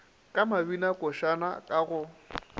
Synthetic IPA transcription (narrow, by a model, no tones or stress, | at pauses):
kʼamabinakʼʊʃana̰kʼaɣʊ